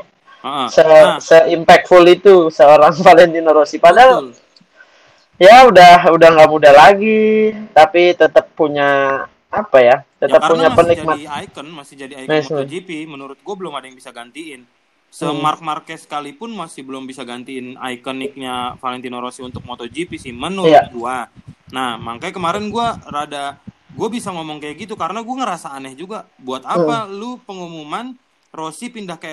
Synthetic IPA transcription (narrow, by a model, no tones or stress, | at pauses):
səsəimpɛk̚t̪fulit̪usəoɾaŋfalɛnt̪inoɾosipadaŋ | jaudaɦudahŋɡamudalaɡit̪apit̪ət̪əpːuɲaː | pajat̪ət̪əppːuɲapənik̚mat̪kənmasɪd͡ʒadimɛsmd͡ʒipimənuɾʊt̪̚ɡuabəlʊmadajaŋbisaɡant̪iɪn | səmark̚markɛsə̥kalipʊnmasɪhbəlʊmbisaɡant̪iːna̰jkənɪk̚ɲafalɛnt̪inoɾosiunt̪ʊk̚mot̪od͡ʒipisɪhmənuat̪̚ɡuanahmaŋkajkəmaɾɛnɡuaɾadaɡuabisaŋomɔŋkajaɡit̪ukaɾənaɡuaŋəɾasaːnɛhd͡ʒuɡabuat̪aalupəŋumuman | rosipindahkaja